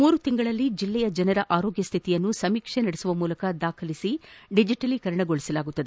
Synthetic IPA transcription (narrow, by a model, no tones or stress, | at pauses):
muːɾut̪iŋɡɐɭɐlːid͡ʒilːɛjɐd͡ʒɐnɐɾɐʔaːɾoːɡjɐst̪ʰit̪ijɐnːusɐmiːkʂenɐɽɛsuʋɐmuːlɐkɐd̪aːkʰɐlisiɖid͡ʒiʈɐlikɐɾɐɳɐɡoɭisɐlaːɡut̪ːɐd̪ee